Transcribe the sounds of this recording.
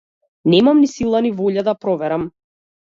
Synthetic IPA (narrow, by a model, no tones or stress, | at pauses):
nɛmamnisilˠanivɔʎad̪apɾɔvɛɾam